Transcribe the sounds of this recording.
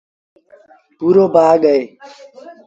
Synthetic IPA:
puːɾoːbaːɡəeː

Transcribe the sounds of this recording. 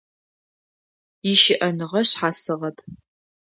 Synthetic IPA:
ɪʃɪʔɐnɨʁɐɕħaːsɨʁɐpʰ

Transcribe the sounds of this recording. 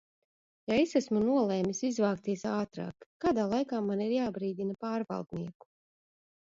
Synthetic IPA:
jaesæsmunuɔlˠeːmisizvaːkt̪iɛsaːt̪ɾa̰ːkːaːd̪aːlˠajkaːmaniɾjaːbɾiːd̪inapaːɾva̰lˠd̪niɛku̥

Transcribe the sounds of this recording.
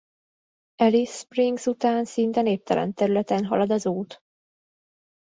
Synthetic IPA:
ɛlispriŋɡsut̪aːnsint̪ɛneːp̚t̪ɛlɛ̰nt̪ɛɾylɛt̪ɛnɦɒ̰lɒd̪ɒzuːt̪

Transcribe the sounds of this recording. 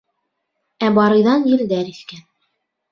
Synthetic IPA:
æbɑɾɤ̆jðɑnjɘ̆ld̪æɾiθkæn

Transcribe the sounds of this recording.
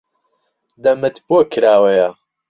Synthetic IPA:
d̪ɐmɨt̪boːkʰɾaːwɐjɐ

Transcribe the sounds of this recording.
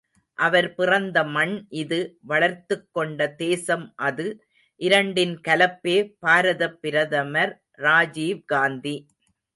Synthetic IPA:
ʔɐʋɐɾpɪrɐnd̪ɐmɐɳʔɪðɯʋɐɭɐɾt̪ɯkːɔɳɖɐd̪eːsɐmʔɐðɯ | ʔɪɾɐɳɖɪnkɐlɐpːeːpaːɾɐðɐpːɪɾɐðɐmɐɾː | aːd͡ʒiːʋɡaːnd̪i

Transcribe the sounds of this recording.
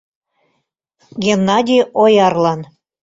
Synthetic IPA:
ɡʲenːɑd̪ʲiojɑrlɑn

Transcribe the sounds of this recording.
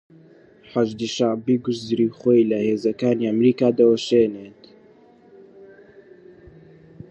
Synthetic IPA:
ħaʒd̪iːʃaʕbiɡʊʃzɾiːxoːjlɐheːzɐkaːniːamɾiːkaːd̪ɐwɐʃeːneːt̪

